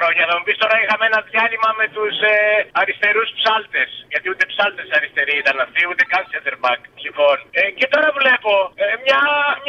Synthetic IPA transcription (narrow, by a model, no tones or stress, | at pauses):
ɾo̞ɲɐːlɐmupist̪o̞ɾɐixɐmeenɐðʝɐlimɐme̞t̪useɐɾist̪e̞ɾuspsɐlt̪e̞sʝɐt̪iut̪e̞psɐlt̪e̞sɐɾist̪e̞ɾiit̪ɐnɐft̪iut̪e̞kɐnsɐd̪eɾbɐksixo̞necet̪o̞ɾɐvle̞po̞emɲɐm